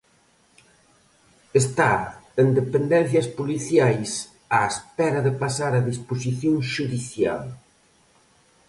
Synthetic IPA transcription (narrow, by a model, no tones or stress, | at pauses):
est̪aend̪epend̪ɛn̟θjɐspuliθjajs | aespɛɾɐðepasaɾɐðispos̬iθjoŋʃuðiθja̰l